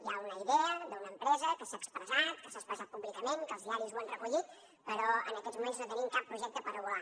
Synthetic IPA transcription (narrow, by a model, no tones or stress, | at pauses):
jaunəiðɛəd̪əunəmpɾɛzəkəsaəkspɾəzat̪̚kəsaspɾəzat̪̚puβlikəmeŋkəlzðiaɾizwanrəkuʎit̪̚ | pəɾɔə̰nəkɛzmumenznot̪ənimkapːɾuʒɛk̚t̪əpəɾua